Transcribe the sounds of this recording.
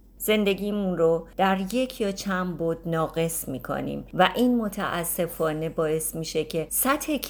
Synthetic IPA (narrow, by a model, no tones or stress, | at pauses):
z̥e̞nd̪e̞ɡiːmunɾod̪̥æɾje̞cʰjɒːt͡ʃʰænboɾd̪̥nɒːɣe̞smiːkʰo̰nḭːmvæʔiːnmot̪ʰæ̰ʔæsːe̞fɒːne̞bɒːe̞smiːʃe̞cʰe̞sæt̪ʰhekʰ